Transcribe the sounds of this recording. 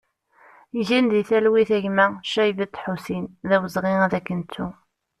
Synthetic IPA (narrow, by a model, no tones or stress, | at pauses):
iʒænd̪iθælwiθæʝmæʃæjvæt̪ːħusinðæwəzʁiæðækːənt͡s̪ːu